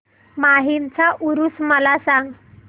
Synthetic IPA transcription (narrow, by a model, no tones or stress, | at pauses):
maɦint͡saʔuɾusməlasãŋɡ